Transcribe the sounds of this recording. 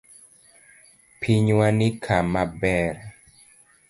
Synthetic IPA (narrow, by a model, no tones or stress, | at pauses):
pʰiɲwanɪkʰamabɛɾ